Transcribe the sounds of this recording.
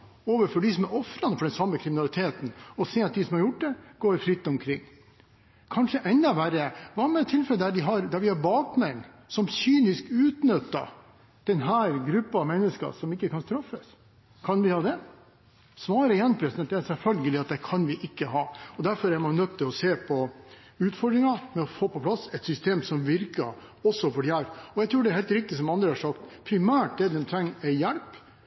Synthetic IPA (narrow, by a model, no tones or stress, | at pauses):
oːʋəɾfɔɖɪsɔmæɾɔfɾɑnəfɔɖɛnsɑmːəkʰɾɪmɪnɑlɪt̪ʰeːt̪nɔseːɑt̪̚d̪ɪsɔmhɑɾjʊʈ̚d̪ɛɡ̥oːɾfɾɪt̪ːɔmkʰɾɪŋː | kʰɑnʂəʔɛnd̪ɑʋæɾəʋɑmɛt̪ʰːɪlfɛləd̪æɖɪɦɑɾd̪æɾʋɪhɑɾbɑːkmɛŋː | sɔmsyːnɪskʉːt̪nœt̪ːɑ̰ | d̪̥ɛnɦæːɾɡɾʉpːəɑʋmɛnːəskɑ̰sɔmɪkːəkʰɑnst̪ɾɑfːəs | kʰɑnʋɪhɑːd̪ɛ | sʋɑːɾəjɛnpʰɾɛsnd̪ɛæsɛɾfœlɡəlɪɑt̪̚d̪ɛkʰɑnʋɪʔɪkːəɦɑːɔd̪æɾfɔɾæɾmɑnœt̪t̪ːɪlɔseːpʰɔ | ʉːt̪fɔɖd̪ɾɪŋɑmɛɔfoːpɔpʰlɑsɛt̪sʏst̪eːmsɔmʋɪɾkə̰ | ɔsːɔfɔɖjælɔjæɛt̪ʰɾʉːɖɛɾhɛːlt̪ɾɪk̚t̪ɪs̬ɔmɑnd̪ɾəhɑʂɑkt̪pʰɾɪmæːʈ̚d̪ɛd̪ɛnt̪ʰɾɛŋːæɪjælp